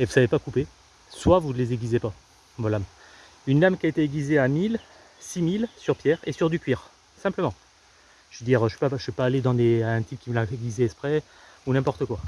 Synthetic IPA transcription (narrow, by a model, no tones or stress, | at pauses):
evusavepakupe | swavunlezeɡʲizepa | mɔlam | ynlamkʲiaet̪eeɡʲizeamil | similsyʁpjɛʁesyʁd̪ykʲɥiʁ | sɛ̃pləmɑ̃ | ʒ̥ved̪iʁøʒvəpaʒəvɛpaːled̪ɑ̃d̪eaɛ̃t̪ip̚kʲiməlaeɡʲizɛɛspχɛ | unɛ̃pɔʁt̪əkwa